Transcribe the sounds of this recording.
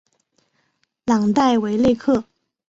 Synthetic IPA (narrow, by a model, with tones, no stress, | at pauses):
lɑ˨˩ŋt̪a˥˩ɪwe˧˥ɪle˥˧ɪkʰɤ˥˩